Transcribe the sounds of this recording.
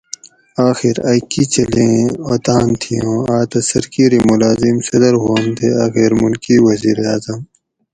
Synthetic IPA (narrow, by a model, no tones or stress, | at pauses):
aːxiɾaːjkːit͡ɕɐlẽːot̪aːnt̪ʰijõːaːt̪ɐsɐɾkiɾimulaːzimsɐd̪ɐɾɦuɐnt̪ʰeaːxiɾmulkiwɐziːɾaːzɐm